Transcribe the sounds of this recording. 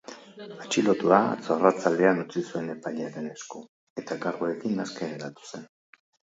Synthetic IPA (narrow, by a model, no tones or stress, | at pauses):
at͡ʃilot̪ua̰t͡soarat͡sald̪e̞anut͡sisue̞ne̞paʎeaɾe̞ne̞sko̞ | e̞t̪aɡaɾɣoe̞kinaskeɾeɾat̪u̥se̞n